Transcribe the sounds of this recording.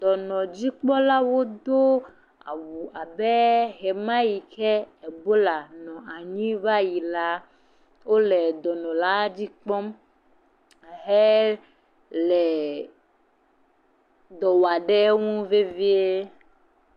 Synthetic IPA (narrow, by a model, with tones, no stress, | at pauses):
d̪ɔ˨nɔ̃˨d͡ʑi˦k͡pɔ˦la˦wo˦d̪o˦ | a̰˨wu˨a˨be˦ɦe˨mã˦ji˨kɛ˦e˨bo˦la˨nɔ̃˨a˨ɲĩ˦va˦ji˨la˦ | wo˦lɛ˨d̪ɔ˨nɔ̃˨la˦d͡ʑi˦k͡pɔ̃˦m˨ | ɦe˦ | lɛ˨ | d̪ɔ˨wa˨ɖe˦ŋũ˦ve˦vi˦e˦